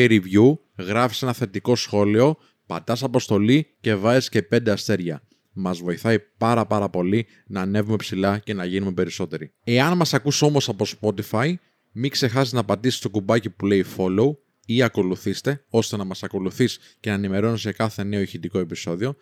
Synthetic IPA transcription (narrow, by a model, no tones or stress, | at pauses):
eɾivʝu | ɣɾɐfi̥se̞nɐθe̞t̪iko̞sxo̞lio̞ | pɐ̰d̪ɐsɐpo̞st̪o̞lice̞vɐzisce̞pe̞nd̪e̞ɐst̪e̞ɾʝɐ | mɐzvo̞iθɐipɐɾɐpɐɾɐpo̞li | nɐːne̞vume̞psilɐce̞nɐʝinumepe̞ɾiso̞t̪e̞ɾi | e̞ɐnmɐsɐkuso̞mo̞sɐpo̞spo̞t̪ifɐj | mikse̞xɐsiznɐpɐt̪isi̥st̪o̞kubɐcipuleifo̞lo̞u | iɐko̞luθist̪e̞o̞st̪e̞nɐmɐsɐko̞luθis | ce̞nɐenimeɾo̞nisekɐθe̞ne̞oiçit̪iko̞e̞piso̞ðio̞